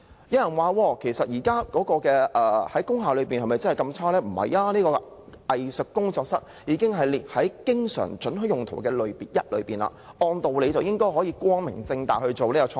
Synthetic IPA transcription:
jɐ˨˧wjɐ˨˩nwaː˨˧wɔː˧kʰe˨˩jsɐ˨t̚jiː˨˩kaː˥kɔː˨˥kɔː˧kɛː˧ʔɛː˨˩hɐ˨˥jkʊ˥ŋaː˨lɵ˨˧ɥpiː˨nhɐ˨jmɐ˨jt͡sɐ˥nhɐ˨˩kɐ˧mt͡sʰaː˥lɛː˥m̩˨˩hɐ̰˨˩jaː˧˥niː˥kɔː˧ʔɐ˨jsɵ˨kːʊ˥ŋt͡sɔː˧k̚sɐ˥t̚jiː˨˧kɪ˥ŋɦɐ˨jli˨hɐ˨˥jkɪ˥ŋsœ̰ː˨˩ŋt͡ʃɵ˨˥nɦɵ˨˥jʊ˨ŋt̪ʰo˨˩wkɛː˧lɵ˨˧ɥpiː˨t̚jɐ˥t̚lɵ̰˨˧˥ɥpiː˨nla̰ː˨ʔɔː˧nt̪o˨wle˨˧jt͡sɐ˨wjɪ˥ŋkɔː˥jɦɔː˨˥jiː˨˧kʷwɔː˥ŋmɪ̰˨˩ŋt͡sɪ˧ŋt̪a̰ː˨˩hɵ˧t͡so˨wniː˥kɔ˧t͡ʃʰː

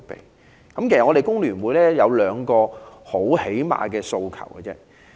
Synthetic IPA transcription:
pḛ˨j | kɐ˨˦mke˨˩sɐ˨ŋːɔ˨˧ɾe˨jkʊ˥ŋlyː˨˩nwuː˨˧jlɛː˥jɐ˨˧wlœː˨˧ŋkɔː˧ho˨˥whe˨˥jma̰ː˨˧kɛː˧so˧wkʰɐ̰˨˩wɡɛ˧t͡sɛ̰ː˥

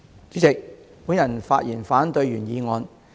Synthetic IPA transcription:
t͡syː˨˥t͡sɪ˨k̚ | puː˨˥njɐ˨˩nfaː˧t̚jiː˨˩nfaː˨˥nt̪ɵ˧ɥyː˨˩njiː˨˧ŋɔː˧n

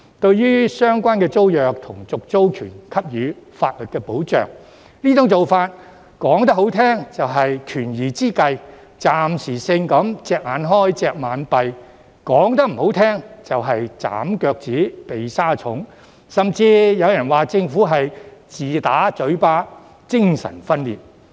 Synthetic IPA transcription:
t̪ɵ˧ɥjyː˥sœː˥ŋkʷaː˥nkɛː˧t͡so˥wjœː˨k̚t̪ʰʊ˨˩ŋt͡sʊ˨k̚t͡so˥wkʰyː˨˩nkʰɐ˥p̚jyː˨˧fa̰ː˧t̚lɵ˨t̚kɛː˧po˨˥wt͡ʃœ̰ː˨ŋ | niː˥tʊ˨˥ŋt͡so˨wfaː˧t̚ | kɔː˨˥ŋt̪ɐ˥k̚ho˨˥wt̪ʰɛː˥ŋt͡sɐ˨wɦɐ˨jkʰyː˨˩njiː˨˩t͡siː˥kɐ˧j | t͡saː˨msiː˨˩sɪ˧ŋkɐ˨˥mt͡sɛː˧k̚haː˨˧nɦɔː˥˩jt͡sɛː˧k̚maː˨˥npɐ˨j | kɔː˨˥ŋt̪ɐ˥k̚m̩˨˩ho˨˥wt̪ʰɛː˥ŋt͡sɐ˨wɦɐ˨jt͡sa̰ː˨˥mkœː˧k̚t͡siː˨˥pe˨jsaː˥t͡sʰʊ˨˥ŋ | sɐ˨mt͡siː˧jɐ˨˧wjɐ˨˩nwaː˨˩t͡sɪ˧ŋfuː˨˥ɦɐ˨jt͡siː˨t̪aː˨˥t͡sɵ˨˥ɥpaː˥ | t͡sɪ˥ŋsɐ̰˨˩nfɐ˥nlḭː˨t̚

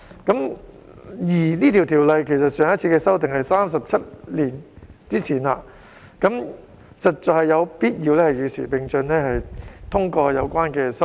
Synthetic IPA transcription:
kɐ˨˥m | jiː˨˩niː˥t̪ʰi˨˩wt̪ʰiː˨˩wlɐ˨jkʰe˨˩js̬ɐ˨t̚sœː˨ŋɐ˥t̚t͡sʰiː˧kɛː˧sɐ˥wt̪ɪ˨ŋhɐ˨jsaː˥ms̬ɐ˨p̚t͡sʰɐ˥t̚liː˨˩nt͡siː˥t͡sʰiː˨˩na˧ | kɐ˨˥m | sɐ˨t̚t͡sɔː˨khɐ˨jːɐ˨˧wpiː˥t̚jiː˧wlɛː˥hɐ˨jyː˨˧sḭː˨˩pɪ˨ŋt͡ʃɵ˧nlɛː˥hɐ˨jt̪ʰʊ˥ŋkɔː˧jɐ˨˧wkʷwaː˥nkɛː˧sɐ˥w

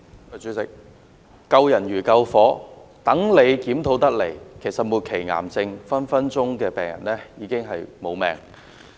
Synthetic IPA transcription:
t͡ʃy˨˥t͡sɪ̰˨˩k̚ | kɐ˧wjɐ˨˩njyː˨˩kɐ˧wfɔː˨˥t̪ɐ˨˥ŋle˨˧jkiː˨˥mt̪ʰo˨˧˥wt̪ɐ˥k̚le˨˩jkʰe˨˩jsɐ˨t̚muː˨˧t̚kʰe˨˩jŋa̰ː˨˩mt͡sɪ˧ŋfɐ˥nfɐ˥nt͡sʊ˥ŋkɛː˧pɛː˨ŋjɐ̰˨˩nlɛː˥jiː˨˧kɪ˥ŋɦɐ˨jmo˨˧wmɛː˨˩ŋ

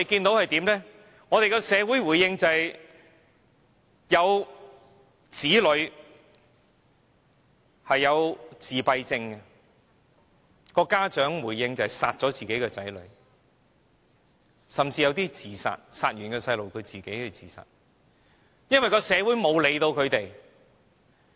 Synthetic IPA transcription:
e˨˧kiː˧nt̪o˨˥whɐ˨jt̪iː˨˥mlɛː˥ | ŋɔː˨˧t̪e˨˧jkɔː˧sɛː˨˧wuː˨˥jwuː˨˩jːɪ˧ŋt͡sɐ˨ | jɐ˨˧w | t͡siː˨˥lɵ˨˧ɥ | hɐ˨jːɐ˨˧wt͡siː˨pɐ˧jt͡sɪ˧ŋkɛ˧ | kɔː˧kaː˥t͡ʃœː˨˥ŋwuː˨˩jːɪ˧ŋt͡sɐ˨ɐ˨jsaː˨t̚t͡ʃɔː˨˥t͡siː˨ke˨˥jkɛː˧t͡sɐ˨˥jlɵ̰˨˧ɥ | sɐ˨mt͡siː˧jɐ˧wt̪iː˥t͡siː˨sa̰ː˨t̚saː˨t̚jyː˨˩nkɛː˧sɐ˧jlo˨wkʰɵ˨˧ɥt͡siː˨˩ke˨˥jhɐ˨˧t͡sḭː˨˩sa̰ː˨t̚ | jɐ˥nwɐ˨jkɔː˧sɛː˨˧wuː˨˥jmo˨˧wle˨˧jt̪o˧wkʰɵ˨˧ɥt̪e˨j

